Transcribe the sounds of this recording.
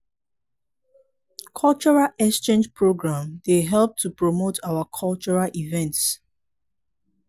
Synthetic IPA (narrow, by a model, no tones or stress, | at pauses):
kʰɔlt͡ʃɔɹalɛkst͡ʃẽnd͡ʒpʰɹoɡɹãmdeɦɛlp̚tʰupɹɔmotʰawəkʰɔlt͡ʃɔɹalʔivɛ̃nts